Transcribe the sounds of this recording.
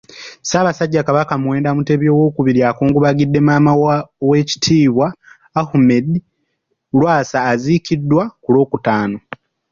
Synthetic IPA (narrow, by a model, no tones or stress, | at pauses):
saːβasaɟːakaβakamuwe̞ːndamute̞βjo̞ːwo̞ːkuβiɾjakuːŋɡuβaɡidːe̞maːmawe̞ci̥tʰiːβwaː | hume̞di | lwaːsaːzicidːwakulo̞ːkutaːno̞